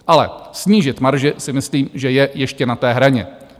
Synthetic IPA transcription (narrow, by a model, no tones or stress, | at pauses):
ʔalɛ̰sɲiːʒɪt̪maɾʒɪsɪmɪsliːmʒɛjɛjɛʃcɛnat̪ɛːɦɾaɲɛ̰